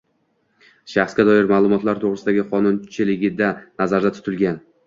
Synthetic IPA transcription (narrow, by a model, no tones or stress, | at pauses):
ʃaχsɡʲad̪ɒjɪɾmalˠʊmɒt̪laɾt̪ʰoʁɾɪsɪd̪aɡʲɪqʰɒnʊnt͡ʃʰɪlɪɡʲɪd̪anazaɾd̪at̪ʰʊ̥t̪ʰɪlɡʲan